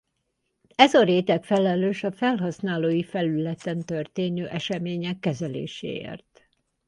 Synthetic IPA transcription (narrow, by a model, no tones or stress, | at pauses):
ɛzɒɾeːt̪ɛkfɛlɛløːʃɒfɛlɦɒsnaːloːjifɛlylɛt̪ɛnt̪ørt̪eːnøːʔɛʃɛmeːɲɛkːɛzɛlḛːʃḛːḛːrt̪